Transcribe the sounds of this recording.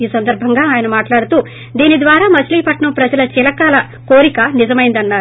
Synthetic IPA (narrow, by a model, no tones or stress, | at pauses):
iːsɐnd̪ɐɾbʱɐŋɡaːaːjɐnɐmaːʈlaːɽut̪uː | d̪iːnid̪ʋaːɾaːmɐt͡ʃliːpɐʈɳɐmpɾɐd͡ʒɐlɐt͡ʃilɐkaːlɐ | koːɾikɐnizɐmɐjind̪ɐnːaːɾu